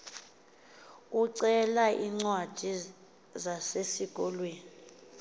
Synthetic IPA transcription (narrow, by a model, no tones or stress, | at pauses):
uǀɛlaʔiŋ͡ǀwad̥ʱi | zasesiɡ̥ʱɔlweːni